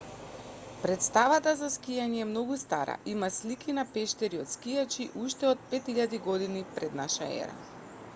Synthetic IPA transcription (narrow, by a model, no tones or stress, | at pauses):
pɾɛt̪st̪avat̪azaskijaɲɛːmnɔɡust̪aɾa̰ʔimaslikʰinapɛʃt̪ɛɾiot̪skijat͡ʃiʔuʃt̪ɛot̪̚pɛt̪iʎad̪iɡɔd̪inipɾɛd̪naʃaɛ̰ɾa̰